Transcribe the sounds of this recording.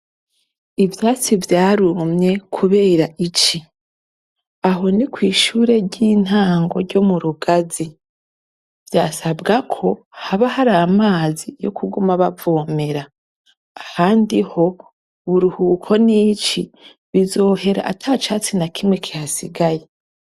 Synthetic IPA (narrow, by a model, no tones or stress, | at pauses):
ivjaːt͡sivjaːɾumɲe̞kʰuβe̞ːɾaʔit͡ʃi | aɦo̞nikwiːʃuːɾe̞ɾɟiːn̥haːŋɡo̞ɾɟo̞muɾuɡazi | vjaːsabɡakʰo̞haβahaɾaːmaːzijo̞̰kʰuɡumaβavo̞ːme̞ɾaː | haːndiho̞ | βuɾuhuːkʰo̞nit͡ʃi | βizo̞ːhe̞ɾa̰ʔa̰tʰaːt͡ʃaːt͡sinakʰimŋwe̞kʰihasiɡaje